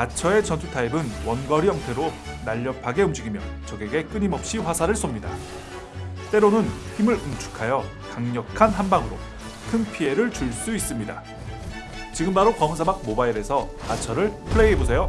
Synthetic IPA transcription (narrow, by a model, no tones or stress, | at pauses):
at͡ɕʰʌe̞t͡ɕʌnt͡ɕʰutʰaibɯnwʌnɡʌɾiʌŋtʰe̞ɾonaʎːʌpʰaɡe̞umd͡ʑiɡimjʌt͡ɕʌɡeɡe̞k͈ɯɲimʌp̚ɕ͈iɸwasʰaɾɯɭs͈omɲida̰ | t͈e̞ɾonɯnçimɯɭumt͡ɕʰu̥kʰajʌ | kaŋɲʌkʰanɦanbaŋɯɾo̰ | kʰɯnpʰie̞ɾɯɭt͡ɕuɭs͈uis͈ɯmɲida̰ | t͡ɕiɡɯmbaɾokʌmsʰabak̚mobaiɾe̞sʰʌat͡ɕʰʌɾɯɭpʰɯɭeiɦebosʰe̞jo